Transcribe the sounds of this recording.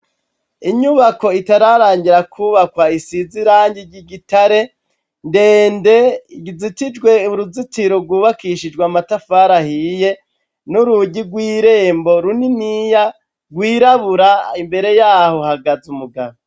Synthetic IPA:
iɲuβako̞itaɾaɾaːɲɟiɾakʰuβakwaisiziɾaːɲɟiɾɟiɡitaɾe̞ | nde̞ːnde̞iɟizitid͡ʒɡwe̞uɾuzitiɾoɡwuːβakiʃid͡ʒɡwamatafaːɾahije̞ | nuɾuɟiɡwiːɾe̞ːmbo̞ɾuninija | ɡwiːɾaβuɾaimbe̞ɾe̞jaːho̞haɡazumuɡaβo

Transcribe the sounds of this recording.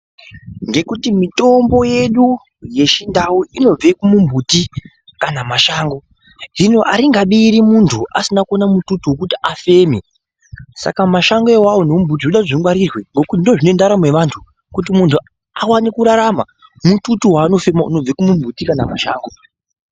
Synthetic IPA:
ŋɡe̞kutimito̞mbo̞je̞ɗu | je̞ʃindauino̞b͡vekumumbʱuti | kanamaʃaːŋɡo̞ | ʐinoʔaɾiŋɡaɓiːɾimuntʰuʔasinakonamututuwokutiafe̞me | sa̰kamaʃaŋɡoewawonoumbʱut̬ioɗaʐiŋwaɾirweŋɡo̞kutindoʐine̞ndaɾamwe̞ʋantʰu | kut̬imuntʰu | awanikuɾaɾama | mututuwaːno̞fe̞maṵno̞b͡vekumumbʱutikanamaʃa̰ːŋɡo

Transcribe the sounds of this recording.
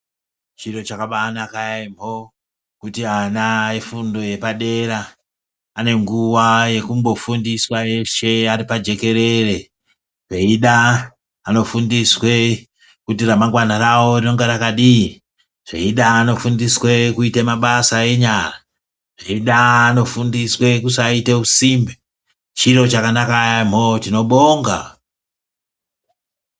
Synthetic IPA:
t͡ʃiro̞t͡ʃakaɓaːnakajaimo | kutianae̞fundo̞je̞paɗe̞ɾaː | ne̞ŋɡuwaje̞kumbo̞fundiswae̞ʃe̞aɾipad͡ʒe̞ke̞ɾe̞re̞ | ʐeiɗaː | no̞fundiswe̞ | kutiramaŋɡwanarawo̞rino̞ŋɡeɾakaɗii | ʐ̥ḛiɗaːno̞fundiswe̞kuitemaɓasae̞ɲara | ʐ̥eiɗaːno̞fundiswe̞kusaite̞usiːmbe | t͡ʃiɾo̞t͡ʃakanakajam̤otino̞ɓoːŋɡa̰

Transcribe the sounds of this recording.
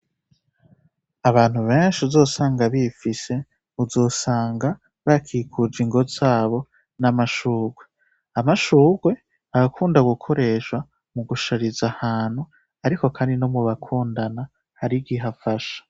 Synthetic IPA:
aβaːn̥huβeːnʃuzo̞ːsaːŋɡaβifise̞ | uzo̞ːsaːŋɡa | βakʰikʰud͡ʒiŋɡo̞zaːβo̞ | namaʃuːɡwe̞ | amaʃuːɡwe̞ | aɡakʰuːndaɡukʰo̞ɾe̞ʃwa | muɡuʃaɾizahaːn̥hu | aɾiko̞kʰaːndinomuβakʰuːndana | haɾiɡiɦafaʃḁ

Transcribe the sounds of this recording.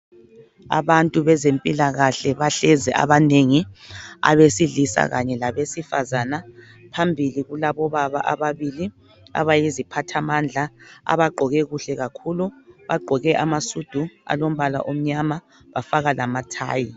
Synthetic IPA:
a̰βantʼuβɛzempʼilaɣaɬɛβaɬɛzɛʔa̰βaneŋia̰βesiɮisa̰ɣaɲɛlaβesifazana | pʰambʱiliɣulaβɔβaβaʔaβaβili | a̰βajizipʰatʰamand͡ɮʱaa̰βaɡ͡ǃʱɔɣɛɣuɬɛɣakʰuluβaɡ͡ǃʱɔɣɛʔamasud̥ʱua̰lom̩βala̰ʔom̩ɲama | βafaɣalamatʰa̰ːji

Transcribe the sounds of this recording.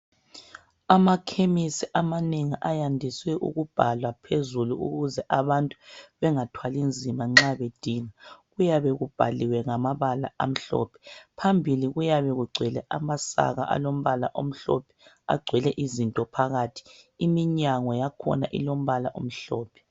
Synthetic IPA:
amakʰemisiʔamaneŋiʔajandʱiswɛʔṵɣub̥ʱalwapʰezuluṵɣuzɛʔaβantʼuβɛŋatʰwalind͡zʱimaŋ͡ǁaβed̥ʱiːŋaɣujaβɛɣub̥ʱaliwɛŋamaβala̰am̩ɬɔ̰ːpʰɛ̥pʰambʱiliɣujaβɛɣuɡ͡ǀʱɛlɛ̰ʔamasa̰ɣa̰ʔa̰lom̩βala̰ʔom̩ɬɔ̰pʰɛ̥ | a̰ɡ͡ǀʱwɛlɛʔizintʼɔpʰaɣaːtʰi̥imiɲaŋɔjakʰɔ̰naʔḭlom̩βalaʔo̰m̩ɬɔːpʰɛ̥

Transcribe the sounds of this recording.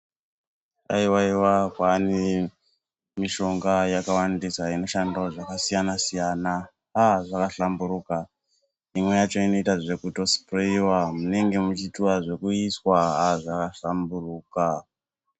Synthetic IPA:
a̰iwaiwakwani | miʃo̞ŋɡajakawandisaino̞ʃandaʐakasijanasijana | aʐakaɬambuɾuːka | imwe̞jat͡ʃo̞ino̞itaʐe̞kuto̞si̥proiwamune̞ŋɡe̞mut͡ʃitiwaʐe̞kuiswaɦaʐakaɬamburuːka

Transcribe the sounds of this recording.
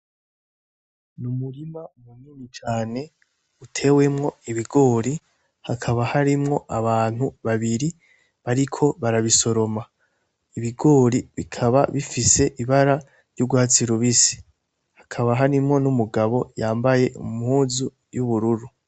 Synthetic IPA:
numuɾimamuninit͡ʃaːne̞ | utʰe̞we̞mŋo̞iβiɡo̞ːɾi | hakʰaβahaɾimŋo̞ʔaβaːn̥huβaβiɾi | βaɾikʰo̞βaɾaβiso̞ɾo̞ma | iβiɡo̞ːɾiβikʰaβa̰βifise̞ʔiβaɾa | ɾɟuɡwaːt͡siɾuβisi̥ | hḁkʰaβaɦaɾimŋo̞numuɡaβo̞jaːmbaje̞ʔṵmhuːzu | juβuɾuɾu

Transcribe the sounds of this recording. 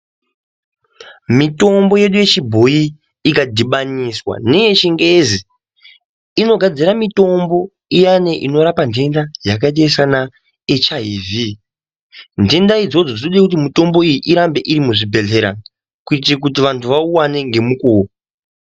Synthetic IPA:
mito̞mbo̞je̞ɗuje̞t͡ʃibʱo̞i | ikadʱiɓaniswa̰ne̞jet͡ʃiŋɡezi | ino̞ɡʱad͡ziɾamito̞mbo̞ | ijane̞ʔino̞ɾapande̞ndajakatesana | et͡ʃaɦivi | nde̞ndaid͡zo̞d͡zo̞d͡zioɗekutimito̞mbo̞ijiʔiɾambe̞ʔiɾimuʐibʱe̞ɮe̞ɾa̰ | kuitrik̬ut̬iʋantʰuʋauwane̞ŋɡe̞mukuː

